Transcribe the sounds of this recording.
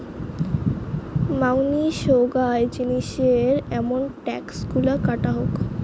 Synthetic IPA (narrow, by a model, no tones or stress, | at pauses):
mawniʃoɡaed͡ʑiniʃeɾɛmonʈɛksɡulakaʈaɦok